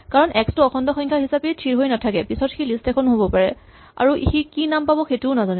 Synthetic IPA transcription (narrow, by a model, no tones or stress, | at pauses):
kaɹɔnʔɛkstuʊɔxʰɔndɔxɔŋkʰaɦisapetʰiɹɦojnatʰakɛpisɔtxilistɛkʰɔnɦobɔpaɹɛ | a̰ɹuʔxikinampabɔxetuʊnazanɛ